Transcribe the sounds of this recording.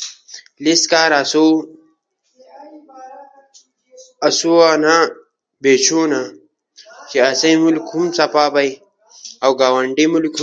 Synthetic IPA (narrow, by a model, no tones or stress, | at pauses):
liskaːɾasu | ɐsuana | beːt͡ɕʰuːna | t͡ɕiɐsɐjmulkʰhumsɐpaːbɐj | awɡaːwɐɳɖimulkʰ